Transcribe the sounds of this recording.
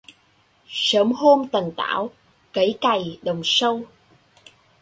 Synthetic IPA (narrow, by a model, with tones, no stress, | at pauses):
səː˨˦mho˧mt̪ə˨˩ŋt̪a̰ː˧˥˩w | kə˨˦jka˨˩jɗə˨˩wŋ͡msə˧w